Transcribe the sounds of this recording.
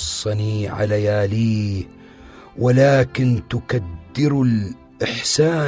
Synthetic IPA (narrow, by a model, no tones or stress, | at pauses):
sˤːɑniʕa̰lajaːliː | walaːkɪnt̪ʊkad̪ːɪɾʊl | ʔɪħsaː